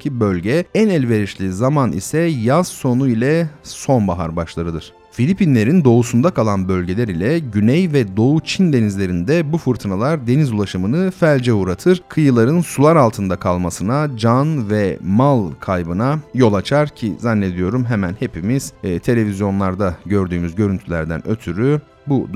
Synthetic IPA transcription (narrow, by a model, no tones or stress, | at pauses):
cʰibølʲɟɛænɛlʲve̞ɾiʃlʲizamanḭsɛjaz̥so̞nuilʲɛso̞nbaɦa̰ɾbaʃlˠaɾɯd̪ɯɾ̝̥ | filʲipinlʲe̞ɾind̪o̞usund̪akʰalˠanbø̞lʲɟe̞lʲeɾilʲɛɟynɛjvɛd̪o̞ut͡ʃʰind̪e̞nizlʲe̞ɾind̪ɛbufɯɾt̪ʰɯnalˠaɾd̪e̞nizulˠaʃɯmɯnɯfælʲd͡ʒɛuɾat̪ʰɯɾ̥kʰɯjɯlˠaɾɯnsulˠaɾalˠt̪ʰɯnd̪akʰalˠmasɯnad͡ʒanvɛmalˠkʰajbɯnajo̞lˠat͡ʃʰaɾcʰḭzanːe̞d̪ijo̞ɾumɦemænhe̞pʰimiz̥ːt̪ʰe̞lʲe̞vizjo̞nlˠaɾd̪aɟø̞ɾd̪yːmyzɟø̞ɾynt̪ʰylʲæɾd̪æ̰nø̞̰t̪ʰyɾy | bu